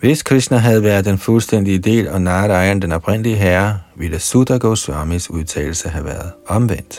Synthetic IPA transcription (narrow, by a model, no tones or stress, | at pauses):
ʋe̝skʰʁisnɐɦæð̞ˠʋæɐð̩ˠd̥enfulsd̥en̰d̥iəde̝̰ːlɒ̽nɑ̈ːɾɑ̈ɪɐnd̥enɒ̽b̥ʁen̰liəɦæɐʋiləsud̥æɡ̥osʋɑ̈ːmisuðˠt͡sʰɛ̰ːl̩səɦæʋæːɐðˠɒ̽mʋen̰d̥